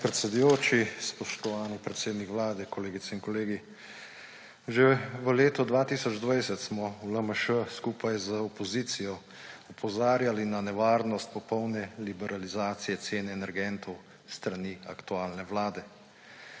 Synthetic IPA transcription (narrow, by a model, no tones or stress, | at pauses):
pɾɛt̪sɛd̪ujoːt͡ʃispɔʃt̪ɔʋaːnipɾɛt̪seːd̪nikʋlaːd̪ɛkɔleːɡit̪sɛinkɔleːɡi | ʒɛʋəleːt̪ɔd̪ʋaːt̪iːsɔd͡ʒd̪ʋajsɛt̪smɔuləməʃəskuːpajzəɔpɔzit̪sijɔ | ɔpʰɔzaːɾjalinanɛʋaːɾnɔst̪̚pɔpɔwnɛlibɛɾalizaːt̪sijɛt̪seːnɛːnɛɾɡɛnt̪ʰɔw | st̪ɾaniakt̪uaːlnɛwlaːd̪ɛ